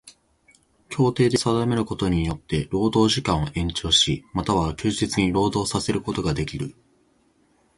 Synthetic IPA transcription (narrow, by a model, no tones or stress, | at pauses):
kʲo̞ːt̪e̞ːd̪e̞sad̪ame̞ɾɯ̟ko̞t̪o̞ɲ̟ijo̞t̪ːe̞ɾo̞ːd̪o̞ːʑikãɰ̃oʔẽ̞ɲt͡ɕo̞ːɕimat̪aβakʲɨːʑit͡sɨɲ̟iɾo̞ːd̪o̞ːsase̞ɾɯ̟ko̞t̪o̞ɡad̪e̞kʲiɾɯ̟